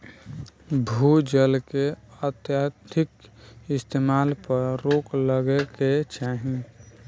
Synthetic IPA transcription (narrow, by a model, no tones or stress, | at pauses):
bʱud͡ʒəlkeət̪jat̪ɪkɪst̪eːmaːlpəɾɾoːkləɡeket͡ʃaːɦĩ